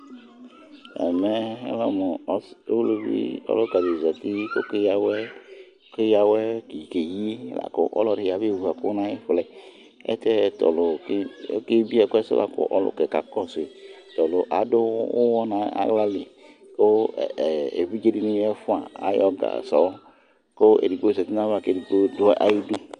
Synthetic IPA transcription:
ɛ̰˨mɛ˦ɛ̰˦lɔ˦mɔ˨˦o˦lo˦bḭ˦ɔ̰˦lo˦ka˨de˨za˨t̪i˦ko˦ke˦ja˦wɛ˦ | ke˦ja˦wɛ˦ki˨ke˨ji˦la̰˨ko̰˦ʔɔ̰˦lɔ˦ɖi˨ja˨be˦˨a˨ko˦nã˦ji˦ɸlɛ˨ | ɛ̰˦t̪ɛ˦t̪ɔ̰˨lo˨˦ke˦bi˦ɛ˨ko˦ɛ˦sḛ˦lʔa̰˨ko̰˦ʔɔ˦lʊ̰˦kɛ˨ka̰˨kɔ˦si˨ | t̪ɔ˨lo˨ʔa˨do˦o˦wɔ˦nã˦a̰˨˦ɡla˦li˨ | ko˦˨ | ḛ˨vi˦d͡ʒe˦di˨nũ˦ɛ˦fũ˦a˨a̰˦jɔ˦ɡa̰˨sɔ˨˦ | ko˦ḛ˨di˨ɡ͡bo˦˨zɛ˨t̪i˦nã˦βa˦˨ke˦˨di˨ɡ͡bo˦d̪ʊ˦ʔa̰˦ji˦du˦

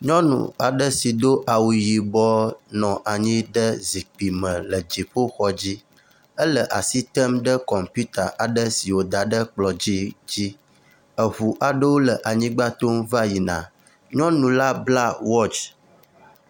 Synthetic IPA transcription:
ɲɔ̃˦nṵ̃˨a˨ɖə˦si˨d̪o˦ʔa˨wu˨ji˨bɔ˦nɔ̃˨ʔa˨ɲĩ˦ɖə˦zi˨k͡pi˨mə̃˨lə˨d͡ʑi˨ɸo˦xɔ˦d͡ʑi˦ | ə˦lə˨ʔa˨si˦t̪ə˦mɖə˦kɔ˨mpu˦t̪a˨ʔa˨ɖə˦si˨wo˨d̪a˨ɖə˦k͡plɔ˨d͡ʑi˦d͡ʑi˦ | ə˨ɦu˨ʔa˨ɖə˦wo˦lə˨ʔa˨ɲĩ˦ɡ͡ba˦t̪o˦mva˦ji˨nã̰˨ | ɲɔ̃˦nũ˨la˦bla˦wɔ˦t͡ʃ

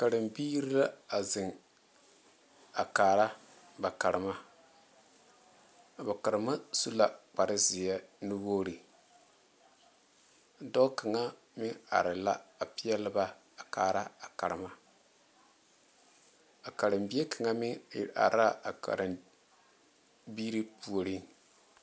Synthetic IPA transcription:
ka˨ɾɨ˨mbiː˦ɾi˦la˦a˨zɪ˨ŋ | a̰˨kaː˨ɾa˦ | ba˨ka˨ɾɪ˨ma˦˨ | ba˨ka˨ɾɨ˨ma˦su˦la˨k͡pa˨ɾɪ˦zɪ˨jɛ˦nu˦woː˦ɾi˨ | dɔ˦ka˨ŋa˦ | mɪ˦ŋa̰˨ɾɪ˨la˦a˨pɪ˦jɛ˦lɪ˦ba˦ | a˨kaː˨ɾa˦a˨ka˨ɾɪ˨ma˦ | a˨ka˨ɾɨ˨mbi˦e˦ka˨ŋa˦mɪ˦ŋ̰˨ʔa̰˨ɾa˦a˨ka̰˨ɾɨ˨m | biː˦ɾi˦pu˨o˨ɾi˦

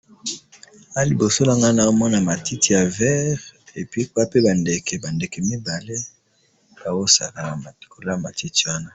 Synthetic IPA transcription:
a˦li˨bo˨so˦la˦ŋɡa˦na˦o˦mɔ˦na˨ma˨tʰi˦ti˨ja˨vɛ˦ʁe˨pi˦kwa˦pe˦ba˨nde˨ke˨ba˨nde˨kɛ˨mi˦ba˨le˦ | b̥a˨wo˦sa˨ka˨ko˨la˦ma˨ti˦ti˦˨wa˦na˦

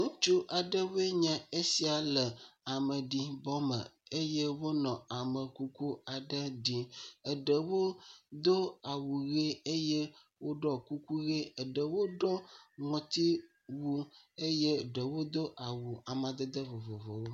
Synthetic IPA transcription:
ŋũ˦t͡ʃu˦ʔa˨ɖə˦we˦ɲã˨e˦si˨a˨lə˨a˨mə˨ɖi˨bɔ˦mə̰˨e˦je˦wo˦nɔ̃˨a˨mə˨ku˦ku˦a˨ɖə˦ɖi˨ə˨ɖə˨wo˦d̪o˦a˨wu˨ɣe˦e˦je˦ | wo˦ɖɔ˦ku˦ku˦ɣe˦ə˨ɖə˨wo˦ɖɔ˦ŋɔ̃˨t̪i˦ | wu˦e˦je˦˨ɖə˨wo˦d̪o˦ʔa˨wu˨a˨mã˨d̪ə˦d̪ə˦vo˨vo˨vɔ˨wo˦

